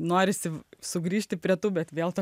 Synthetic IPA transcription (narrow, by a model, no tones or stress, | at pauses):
noːɾʲɪsʲɪsʊɡɾʲiːʃʲt̪ʲɪpʲɾʲiɛt̪uːbʲɛt̪ʋʲeːlˠt̪o